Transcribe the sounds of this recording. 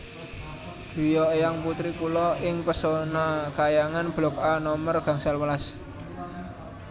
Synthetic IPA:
d̪̥ṳjɔjaŋput̪ɾikulɔɪŋpəsonakajaŋanb̥lɔk̚anɔmərɡ̥a̤ŋsalwəlas

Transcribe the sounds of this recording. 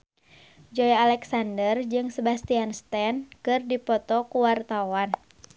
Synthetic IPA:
d͡ʒɔjalɛksandərd͡ʒɨŋsəbast̪ianst̪ɛnkɨrdipɔt̪ɔkuwart̪awan

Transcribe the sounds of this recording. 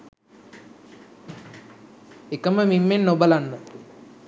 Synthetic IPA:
ekɐmɐmimːennobɐlanːu

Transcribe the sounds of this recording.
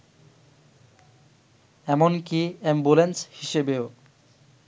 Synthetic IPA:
ɛmonkiembulenshiʃebeo

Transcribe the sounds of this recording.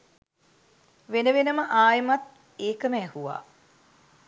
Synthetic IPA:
ʋenəʋenəməʔaːjemɐt̪ | eːkəmɛːhuʋa̰ː

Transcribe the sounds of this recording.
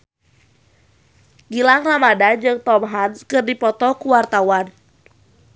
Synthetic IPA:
ɡilaŋramadad͡ʒɨŋt̪ɔmɦanskɨrdipɔt̪ɔkuwart̪awan

